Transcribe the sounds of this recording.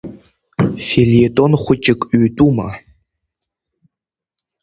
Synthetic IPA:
felietʼonχʷʊt͡ʃʼɪkʼɥtʼuma̰

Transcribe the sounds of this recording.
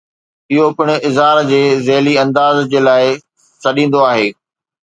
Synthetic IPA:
ɪɦopɪɽ̃̆ɪzɦaːɾd͡ʑeːzeːliɐ̃nd̪aːzd͡ʑeːlaːɪ | sɐɗĩːnd̪oaːɦeː

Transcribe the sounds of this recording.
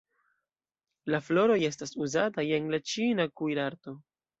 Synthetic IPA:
laflo̞ɾo̞je̞s̬tasuzataje̞nlat͡ʃinakujɾaɾto̞

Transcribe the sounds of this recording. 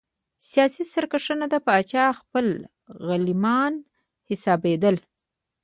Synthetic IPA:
sijɑsisaɾkaʂənad̪apəːt͡ʃɑxpəl | ɣalimɑn | hɪsɑbed̪əl

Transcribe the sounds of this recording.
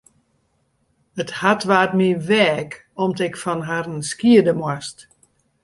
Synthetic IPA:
əthatʋaːt̚miʋɛːk | ɔmtɪkfɔnɦarənskiədəmwast

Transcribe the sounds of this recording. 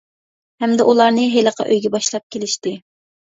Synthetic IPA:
hɛmd̪ɛʔulˠɑɾnɨɦelˠəqʰɑ̰ʔøjɡʲɛbɑʃlˠɑp̚kʲʰelɪʃt̪ɪ

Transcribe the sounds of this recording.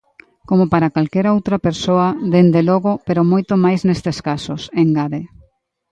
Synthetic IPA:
komopaɾakalkɛɾowt̪ɾɐpeɾsoɐðend̪elɔɣopeɾomojt̪omajsnest̪eskasoseŋɡaðe

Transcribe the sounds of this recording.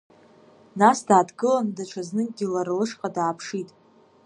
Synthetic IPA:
nasdaːdɡɨlandaʈ͡ʂʰaznɨɡʲilarlɨʂqʼadaːpʰʂitʼ

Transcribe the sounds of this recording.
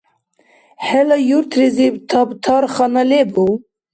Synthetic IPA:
hɛlɑjuɾt̪ʰɾezebt̪ʰɑbt̪ʰɑɾxɑnɑlebu

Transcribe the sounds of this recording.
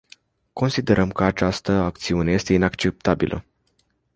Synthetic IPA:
ko̞nsid̪e̞ɾəmkəat͡ʃast̪əak̚t̪siune̞je̞st̪e̞inakt͡ʃe̞p̚t̪abḭlʔə̰

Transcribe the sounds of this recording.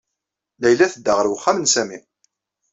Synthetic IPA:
læjlæθəd̪ːəʁəɾwχːamənsæmi

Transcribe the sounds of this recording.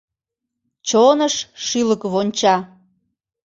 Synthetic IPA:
t͡ɕonəʃʃyləkβonʲt͡ɕɑ

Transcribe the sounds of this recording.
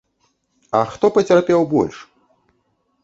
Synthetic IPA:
ɐxt̪ɔpɐt͡sʲarpʲɛwbɔ̰lʲʂ

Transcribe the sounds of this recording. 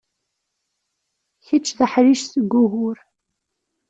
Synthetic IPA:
çət͡ʃːðəħɾiʃsəɡʷːuɣʊɾ

